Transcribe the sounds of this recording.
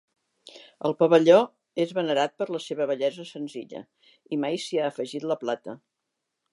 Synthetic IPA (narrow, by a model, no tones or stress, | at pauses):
əlˠpəβəʎɔ | ezβənəɾat̪̚pəɾləseβəβəʎɛzəsənzḭʎə̰ | imajsiaːfəʒit̪ləplat̪ə